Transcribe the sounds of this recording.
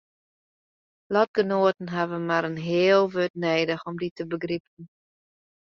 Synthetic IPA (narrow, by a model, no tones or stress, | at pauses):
lɔt̚ɡənoətn̩ɦɛvəmaɾənɦɪəlˠʋøtnɛːdəxɔmditʰəbəɡripən̩